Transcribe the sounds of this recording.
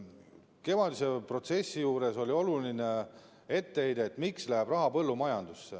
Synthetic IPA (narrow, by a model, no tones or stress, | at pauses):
ke̞mɑd̪ise̞pro̞t̪se̞sːijuːɾe̞so̞lʲio̞luline | e̞t̪ːe̞ejd̪eːt̪ːˑmikslæɦeb̥rɑɦɑpɤ̞lːumɑjɑnd̪̥usːe